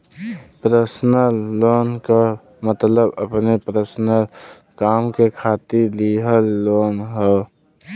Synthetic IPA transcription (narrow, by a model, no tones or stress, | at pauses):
pɾəsnəlːoːnka | mət̪ləbəpnepɾəsnəl | kaːmkekʰaːt̪iliɦəlːoːnɦo